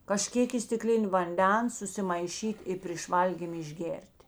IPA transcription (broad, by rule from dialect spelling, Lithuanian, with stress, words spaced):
kɐˈʃʲkʲeːk ɪ sʲtʲɪˈklʲɪnʲ ʋɐnʲˈdʲɛns sʊsʲɪmɐɪˈʃʲiːtʲ ɪ pʲrʲeːʃ ˈʋɐlʲɡʲiːm ɪʒʲˈɡʲeːrʲtʲ